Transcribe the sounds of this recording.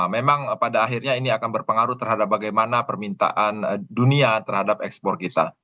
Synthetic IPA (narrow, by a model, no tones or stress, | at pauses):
memaŋpadaːɦirɲainiakanbərpəŋaɾut̪ərɦadap̚baɡajmanapərmint̪a̰ʔanduniat̪ərhadap̚ɛkspɔrkit̪a̰